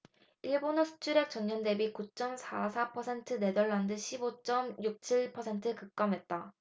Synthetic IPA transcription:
iɭbonɯsʰu̥t͡ɕʰuɾek̚t͡ɕ͈ʌɲːʌndebikut͡ɕ͈ʌmsʰasʰapʰʌsʰe̞ntʰɯne̞dʌɭːandɯɕʰibot͡ɕ͈ʌmjuk̚t͡ɕʰiɭpʰʌsʰe̞ntʰɯkɯk̚k͈amɦe̞t̚t͈a

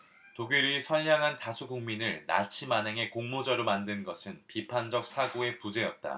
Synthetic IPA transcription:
toɡiɾisʰʌnjaŋɦantasʰuɡuŋminɯɭna̰t͡ɕʰimanɦe̞ŋe̞koŋmod͡ʑʌɾomandɯnɡʌsʰɯnpipʰand͡ʑʌk̚sʰaɡoe̞pud͡ʑe̞jʌt̚t͈a̰

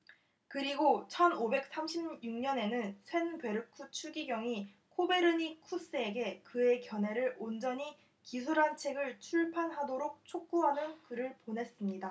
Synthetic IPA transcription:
kɯɾiɡot͡ɕʰʌnobe̞k̚s͈amɕʰibjuŋɲʌne̞nɯnsʰwe̞npwe̞ɾɯk͈ʰut͡ɕʰuɡiɡjʌŋi | kʰobe̞ɾɯɲikʰus͈ɯe̞ɡe̞kɯe̞kjʌne̞ɾɯɭond͡ʑʌɲi | kisʰuɾɦant͡ɕʰe̞ɡɯɭt͡ɕʰuɭpʰanɦadoɾok̚t͡ɕʰok̚k͈uɦanɯnkɯɾɯɭponɦe̞s͈ɯmɲida

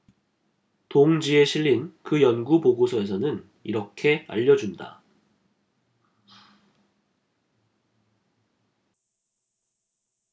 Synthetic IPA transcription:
toŋd͡ʑie̞ɕʰiʎːinkɯjʌnɡupoɡosʰʌe̞s̬ʰʌnɯn | iɾʌkʰe̞a̰ʎːʌd͡ʑunda̰

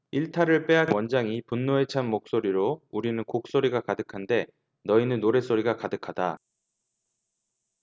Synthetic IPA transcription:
iɭtʰaɾɯɭp͈e̞awʌnd͡ʑaŋipunːoe̞t͡ɕʰanmok̚s͈oɾiɾouɾinɯnkok̚s͈oɾiɡakadɯkʰande̞ | nʌinɯnːoɾe̞s͈oɾiɡakadɯkʰada

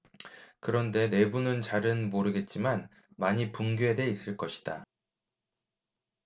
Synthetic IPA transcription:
kɯɾʌnde̞ne̞bunɯnt͡ɕaɾɯnmoɾɯɡe̞t̚t͡ɕ͈iman | maɲipuŋɡjoɦede̞is͈ɯɭk͈ʌɕʰi̥d̥a

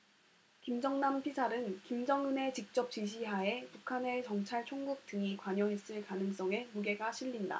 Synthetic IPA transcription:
kimd͡ʑʌŋnampʰisʰaɾɯnkimd͡ʑʌŋɯne̞t͡ɕik̚t͡ɕ͈ʌp̚t͡ɕ͈iɕ̬ʰiɦae̞pukʰane̞t͡ɕʌŋt͡ɕʰaɭt͡ɕʰoŋɡuk̚t͈ɯŋikwaɲʌɦe̞s͈ɯɭkanɯŋs͈ʌŋe̞muɡe̞ɡaɕʰiʎːinda̰

